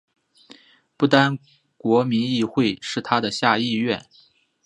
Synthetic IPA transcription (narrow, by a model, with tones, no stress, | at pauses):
pu˥˩t̪a˥n | kwɔ˧˥mi˧˥ni˥˧xwe˥˧ɪʂɻ̩˥˩t̪ʰa˥d̪ə˨ɕja˥˧i˥˧ɥɛ˥˩n